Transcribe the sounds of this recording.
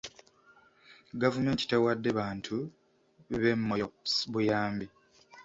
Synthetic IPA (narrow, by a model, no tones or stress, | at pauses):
ɡavume̞ːnti̥tewadːe̞βaːntʰu | βe̞mːoosβujaːmbi